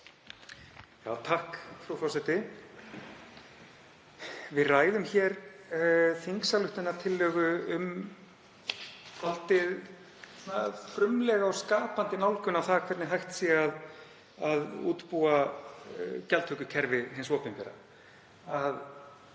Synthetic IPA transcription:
jaːwt̪ʰahkfɾawfɔsɛt̪ɪ | vɪðraːjðʏmçɛːɾ | θiŋksalʏht̪ʏnːaɾt̪ʰɪlːœːɣʏʏm | falt̪ɪð | nafɾʏmlɛɣaɔskaːpant̪ɪnawlkʏnawθakʰvɛɾt̪nɪɦajht̪siaað | aðṵːt̪pua | cɛlt̪hœːkʏcʰɛɾvɪɦɪnsɔːpɪnmpɛɾa̰ | að

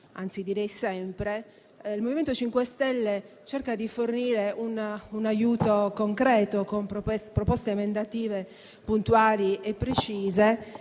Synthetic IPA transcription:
a̰nt̪sid̪iɾɛjsɛmpɾe | ilmoviment̪ot͡ʃiŋkwest̪ɛlːet͡ʃɛrkad̪iforniːɾeʔununajuːt̪okoŋkɾɛːt̪okompɾpɾopɔst̪eemend̪at̪iːve | punt̪uaːliepːɾet͡ʃiːze

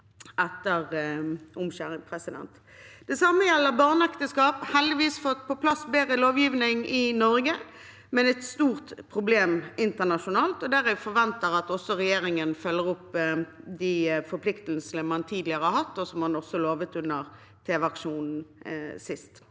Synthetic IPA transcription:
ɛt̪ːəʁʊmɕæːʁɪŋpʰʁɛsɪd̪ɛ̰nt̪ | d̪̥ɛsɑməjɛlːəʁbɑːʁnɛkt̪əskɑːphɛld̪ɪʋiːsfɔt̪ːpʰɔpʰlɑsbeːʁəloːʋjiːʋnɪŋɪnɔɾɡə | mɛnɛt̪st̪uːʁt̪pʰʁʊbleːmɪnt̪əʁnɑʃʊnɑːlt̪ɔd̪æʁæɪfɔʁʋɛnt̪əʁɑt̪ɔsːɔʁɛjeːʁɪŋənfœlːəʁʊpd̪ɪfɔɾpʰlɪkt̪l̩snəmɑnt̪ʰiːd̪lɪəʁəhɑɾhɑt̪ːɔsɔmɑnɔsːɔloːʋət̪ʉnəʁ | t̪ʰeːʋɑkʂuːnn̩sɪst̪

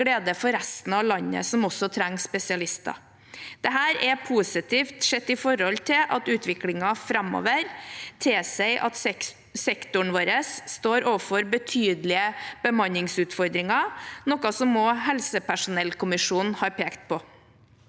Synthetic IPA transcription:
ɽeːd̪əfɔɾɛst̪n̩ɑʋlɑnːə̰sɔmɔsɔt̪ʰɾæŋːspɛsɪɑlɪst̪ɑ̰ | d̪̥ɛɦæːɾɛpʰusɪt̪iːft̪ʂɛt̪ːɪfɔɾɔlt̪ʰɪʔɑt̪ʉːt̪ʰʋɪklɪŋɑfɾɑmo̰ːʋəɾt̪ʰesɛɪʔɑ̰t̪ɛ | sɛkt̪ʊɳʋoːɾəsːt̪oːɾoːʋfɔɾbət̪ʰyːd̪lɪəb̥əmɑnːɪŋsʉːt̪fɔɾd̪ɾɪŋɑnɔkɑsɔmːɔɦɛlsəpæʂʊnɛlkʊmɪʂuːnhɑːɾpʰeːkt̪̚pʰɔ

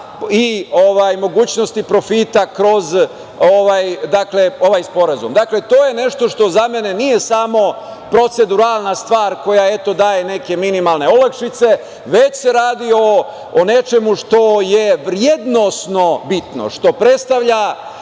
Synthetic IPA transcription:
ioʋajmo̞ɡuːt͡ɕnost̪ipɾo̞fit̪akɾo̞z | oʋajd̪akle̞o̞ʋajspo̞ɾazṵmd̪akle̞t̪oːje̞ne̞ʃt̪o̞ʃt̪o̞zame̞ne̞nije̞samo̞ | pɾo̞t̪se̞d̪uɾalˠnast̪ʋaːɾko̞jae̞t̪o̞d̪aːje̞ne̞ke̞minimalˠne̞olakʃit̪se̞ | ʋe̞t͡ɕse̞ɾaːd̪io̞ː | ne̞t͡ʃe̞muʃt̪o̞jeʋɾjed̪no̞sno̞bit̪no̰ʃt̪o̞pɾe̞t̪st̪aʋʎa

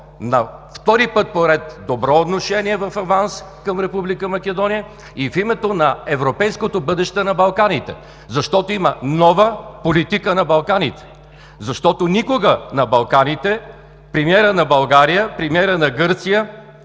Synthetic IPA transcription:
nɐft̪ɔɾipɤt̪̚poɾɛt̪d̪obɾɔot̪noʃɛniɛvɐfɐvans | kɐmɾɛpublikəmɐkʲɛd̪ɔnijə | ifimɛt̪onɐɛvɾopɛjskot̪obɤd̪ɛʃt̪ɛnɐbɐlˠkanit̪ɛ̰ | zɐʃt̪ɔt̪oimənɔvəpolit̪ikənɐbɐlˠkanit̪ɛ̥ | zɐʃt̪ɔt̪onikoɡənɐbɐlˠkanit̪ɛ | pɾɛmiɛɾənɐbɐlˠɡaɾijəpɾɛmiɛɾənɐɡɤɾt̪sijə

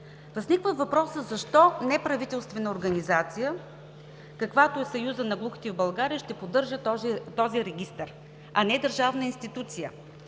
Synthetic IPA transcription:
vəznikvəvɐpɾɔsəzɐʃt̪ɔnɛpɾɐvit̪ɛlˠst̪vɛnəoɾɡɐnizat̪sijə | kɐkvat̪oɛsɐjuzənɐɡlˠuxi̥t̪ɛvbɐlˠɡaɾiəʃt̪ɛpod̪ɤɾʒət̪t̪ɔziɾɛɡʲist̪əɾ | ɐnɛd̪əɾʒavnəinst̪it̪ut̪sijə

